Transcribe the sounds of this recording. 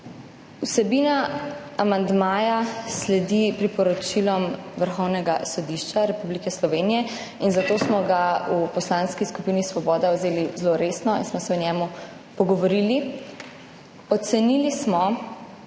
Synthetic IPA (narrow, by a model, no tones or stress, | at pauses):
usɛbiːnaamand̪maːjaslɛd̪ipɾipɔɾɔt͡ʃilɔmʋəɾxɔwnɛɡasɔd̪iʃt͡ʃaɾɛpublikɛslɔʋeːnijɛ | inzat̪osmɔɡaupɔslanskiskupiːnisʋɔbɔːd̪awzeːlizloɾeːsnɔḭnsmɔsɛɔnɛːmu | pɔɡɔʋɔɾili | ɔt̪sɛnilismɔ